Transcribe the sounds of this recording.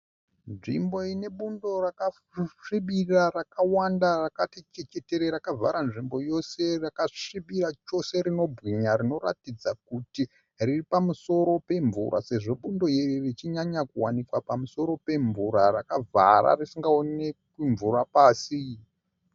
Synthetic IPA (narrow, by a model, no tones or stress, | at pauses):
nʐḭmbo̞ine̞ɓundo̞raka | ʂiɓirarakawandarakatet͡ʃet͡ʃe̞te̞ɾeɾakava̰ɾanʐimbo̞jo̞se̞rakaʂiɓirat͡ʃo̞se̞ɾino̞bʱɣiɲaɾino̞ra̰tid͡zakuti | riripamuso̞ɾo̞pe̞ɱvṵɾa̰se̞ʐo̞ɓundo̞jejirit͡ʃiɲaɲakuwanikwapamuso̞ɾo̞pe̞ɱvuɾarakava̰ɾa̰risiŋɡaonnekiɱvurapaːsi